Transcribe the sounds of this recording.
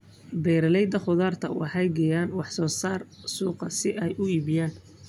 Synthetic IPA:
bɛjɾɐlɛjd̪ɐχʊðaːrt̪ʰɐ̰wʔɑ̰ħɑjɡɛjaːnwɑħsɔːsaːrsuːqɐsɪʔɛjʔʊiːβɪjaːn

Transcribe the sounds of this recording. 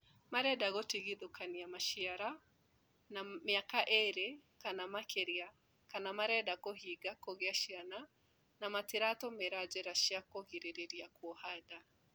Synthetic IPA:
maɾɛdaɣotiɣiðokaniamaʃiaɾa | namiakaʔeɾekanamakeɾia | kanamaɾɛdakoɦiɡakoɣeaʃiana | namatiɾatɔmeɾad͡ʒɛɾaʃiakoɣiɾeɾeɾiakwɔhada

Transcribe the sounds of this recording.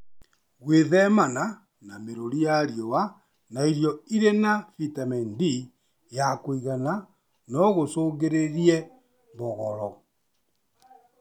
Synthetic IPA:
ɣweðɛmana | nameɾoɾijaɾjɔwa | naiɾjɔiɾenafitamɛndi | jakoiɣana | nɔɣosoːɣeɾeɾiɛ | bɔɣɔɾɔ

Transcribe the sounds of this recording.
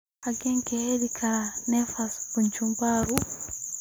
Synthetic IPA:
aɡeŋkeheɾikʰaɾanefaskuɲt͡ʃumbaɾu

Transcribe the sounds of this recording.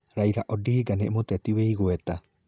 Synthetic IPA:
ɾaiɾaʔɔdihiɡanemot̪ɛtiweiɣoɛta

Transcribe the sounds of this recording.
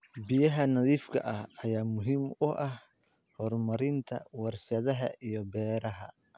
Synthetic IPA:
bɪjɐɦɐnɐðiːfkʰɐ̰ʔɐhɐjaːmʊɦiːmʊʔɐh | hɔrmɐɾɪnt̪ʰɐ̰wɑrʃɐðɐɦɐʔijɔbɛːɾɐɦɐ̰

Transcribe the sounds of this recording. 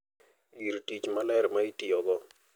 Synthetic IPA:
ɡiɾtit͡ʃmalɛɾmaitiɔɡɔ

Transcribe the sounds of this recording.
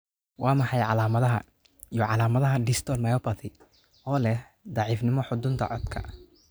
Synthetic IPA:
wʔɑːmɐħɑjʕɑlaːmɐðɐɦɐ̰ | ijɔʕɑlaːmɐðɐɦɐɖɪst̪ʰɔlmɐjɔpɐt̪ʰɪ | ɔːlɛh | d̪ɑʕiːfnɪmɔħʊd̪ʊnt̪ʰɐ̰ʕɔd̪kʰɐ̰

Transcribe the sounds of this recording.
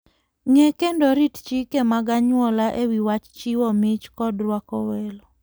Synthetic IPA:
ŋɛkendoɾitt͡ʃikemaɡaɲwɔlaʔewiwat͡ʃt͡ʃiwɔmɪt͡ʃkɔdɾwakɔwɛlɔ

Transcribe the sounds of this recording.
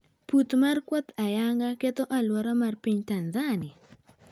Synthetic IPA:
put̪markwɔt̪ajaŋɡaket̪ɔʔalwɔɾamarpiɲt̪anzanɪa

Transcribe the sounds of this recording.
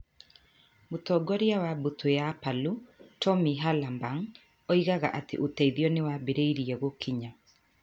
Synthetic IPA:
motɔɡɔɾiawabutʰojapalutʰɔmiɦalambaŋ | ɔiɣaɣaʔatḛʔotɛiðijɔnewabeɾeiɾiɛɣokʰiɲa

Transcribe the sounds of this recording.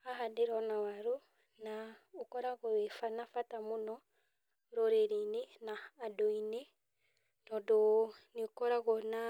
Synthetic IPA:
aɦadeɾɔnawaɾo | naokɔɾaɣɔefanafatamonɔ | ɾoɾeɾeinenaːdoine | nɔdoneokɔɾaɣɔna

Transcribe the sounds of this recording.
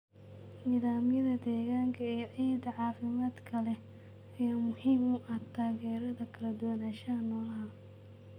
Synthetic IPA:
niːðaːmjɐðɐd̪ɛːɣaːŋkʰɐɛjʔɛːd̪ɐʕɑːfɪmaːd̪kʰɐlɛ | ɛjɐmʊhiːmʊʔɐt̪ʰaːɣɛːɾɐðɐkʰɐlɐd̪ʊwɐnaːʃɐnɔːlɐɦa

